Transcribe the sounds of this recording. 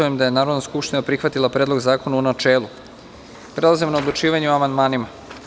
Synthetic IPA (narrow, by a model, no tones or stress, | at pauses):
ujemd̪ajenaːɾod̪naskupʃt̪inapɾixʋat̪ilˠapɾeːd̪lˠoɡzaːko̞naunat͡ʃe̞ːlˠu | pɾe̞lˠazimnaod̪lˠut͡ʃiːʋaɲeoamand̪maːnima